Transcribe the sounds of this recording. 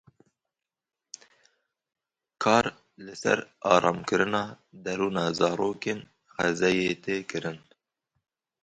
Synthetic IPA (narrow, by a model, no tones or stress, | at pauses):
kʰɑːɾ | lɨsɛ̰ɾɑːɾʔɑːmkɨɾɨnɑː | d̪ɛɾuːnɑːzɑːɾoːkeːn | xɛzɛjeːt̪ʰeːkɨɾɨn